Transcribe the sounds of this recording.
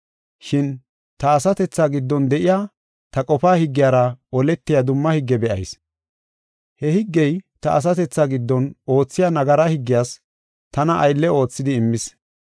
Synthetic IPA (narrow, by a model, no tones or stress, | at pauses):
ʃɪn | t̪ɐːsɐt̪ɛt͡sːaːɡɪd̪ːɔnd̪ɛʔɪjaː | t̪ɐkʼɔfaːhɪɡːɪjaːɾɐɔlɛt̪ːɪjad̪ʊmːɐhɪɡːɛbɛʔɐ̰js | hɛhɪɡːɛjt̪ɐʔɐs̬ɐt̪ɛt͡sːaːɡɪd̪ːɔno̞ːt͡sːɪjaːnɐɡɐɾahɪɡːɪjaːs | t̪ɐnɐʔɐjlːɛo̞ːt͡sːɪd̪ɪːmːɪs